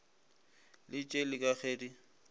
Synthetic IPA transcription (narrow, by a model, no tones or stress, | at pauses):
lɪt͡ʃʼelɪkʼaχeːdi